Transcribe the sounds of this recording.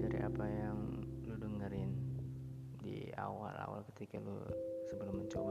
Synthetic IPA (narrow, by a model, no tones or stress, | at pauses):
daɾḭʔa̰pajaŋluduŋəɾɪn | dḭa̰wala̰wa̰lkət̪ikalṵsəbəlʊmːəɲt͡ʃoba